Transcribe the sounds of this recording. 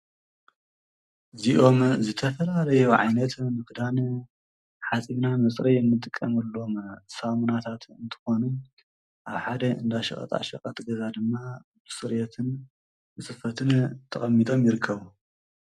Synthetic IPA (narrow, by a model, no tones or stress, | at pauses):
ziʔo̞mzɨt̪ʰɐfɐlalɐjoʕajnɐt̪mɨkd̪an | ħat͡sʼiβnamɐt͡sʼɾijɨnːɨt̪ʼːɨkʼːɐmɐlːo̞msamunat̪ʰat̪ɨnt̪ʰɨ̥xo̞nu | ʔaβħad̪ɐɨnd̪aʃɐ̰xʼɐ̰t̪ʼa̰ʃɐkʼɐt̪ɡɐzad̪ɨmːa | bɨsɨɾjɛt̪ʰɨn | ɨsɨfɐt̪ʰɨnt̪ʰɐχʼɐmːit̪ʼo̞mjɪɾɨkʰːɐβu